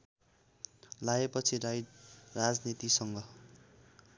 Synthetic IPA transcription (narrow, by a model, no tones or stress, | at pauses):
laepʌt͡sʰiɾajrad͡znit̪isʌŋɡʌ